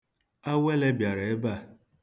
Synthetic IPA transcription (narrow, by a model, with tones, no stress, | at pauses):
a˦we˦le˦bja˨ɾe˨e˦ba˦˨